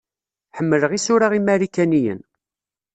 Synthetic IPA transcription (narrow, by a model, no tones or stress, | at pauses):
ħəmːələʁisʊɾaʁimæɾikænijə̰n